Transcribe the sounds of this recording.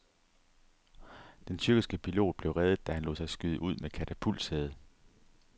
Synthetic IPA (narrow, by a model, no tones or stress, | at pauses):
d̥ent͡sʰyɐɡ̥isɡ̥əpʰilo̝̰ːd̥̚b̥le̝ʊʁɛðˠð̩ˠd̥æhænlo̰ːsɑ̈ɪsɡ̥yð̞ˠəʔuð̞̰ˠmekʰæt͡sʰæpʰul̰sheð̞ˠ